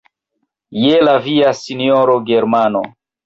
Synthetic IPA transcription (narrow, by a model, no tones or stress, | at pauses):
jelaviasinioɾoɡeɾmano̰